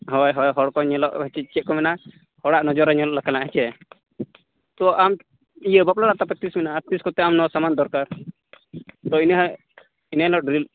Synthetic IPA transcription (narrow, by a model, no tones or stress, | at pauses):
ɦɔjɦɔjɦɔɽkɔɲəlɔʔɦɛt͡ʃɛt͡ʃɛʔ̚kɔmɛna | hɔɽaʔnɔd͡ʒɔɾaɲɛlɔʔlakalaʔɦɛt͡ʃɛ | t̪ɔʔam | ijəbaplaɾaʔt̪apɛt̪isminaʔt̪iskɔt̪ɛamnɔsamand̪ɔɾkaɾ | t̪ɔinɦ | inəɦlɔʔɖɾil